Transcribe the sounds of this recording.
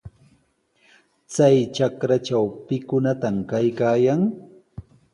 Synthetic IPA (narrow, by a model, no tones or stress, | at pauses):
t͡sajt͡ʃakɾat͡ʃawpɪkʊnat̪amkajkaːjaŋ